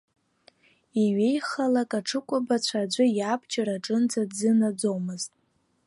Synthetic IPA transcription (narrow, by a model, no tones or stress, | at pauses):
iɥe̞jχalakʼaʈ͡ʂʰɨkʷʼabat͡ɕʷʰad͡ʒʷɨjapʰʼt͡ʃʰʼaɾaʈ͡ʂʼɨnd͡zadzɨnad͡zowmɨztʼ